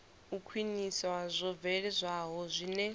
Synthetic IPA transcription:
ukʰwinisɔwazʷɔvɛɺɛzʷaɦɔzʷinɛ

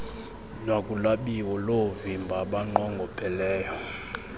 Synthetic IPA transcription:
nwakʼulaɓiwɔlovimbʱaɓaŋ͡ǃɔŋɡʱɔpʰʼɛlɛːjɔ

